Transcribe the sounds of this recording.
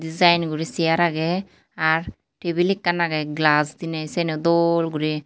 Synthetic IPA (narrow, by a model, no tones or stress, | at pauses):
dizajnɡuɾisijaɾaɡɛ | aɾ | ʈebilikːanaɡɛɡlasd̪inɛsɛnɛd̪ɔlɡuɾi